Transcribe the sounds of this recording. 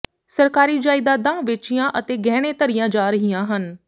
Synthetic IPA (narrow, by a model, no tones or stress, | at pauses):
səɾkaːɾiːd͡ʒaːɪd̪aːd̪ãːʋɪt͡ʃijãːʔət̪eːɡɛːɽ̃ẽːt̪əɾɪjãːd͡ʒaːɾəɦijãːɦən